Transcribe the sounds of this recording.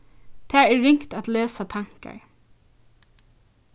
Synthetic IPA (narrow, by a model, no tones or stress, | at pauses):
t̪ʰæːɛːɪŋkt̪at̪leːsat̪ʰaŋka̰ɹ